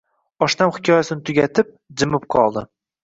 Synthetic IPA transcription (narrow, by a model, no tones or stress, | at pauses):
ɒʃt̪amχɪ̥kʲʰɒjasɪnɪt̪ʰʊɡʲat̪ʰɪp̚d͡ʒɪmɪp̚qʰɒlˠd̪ɪ̰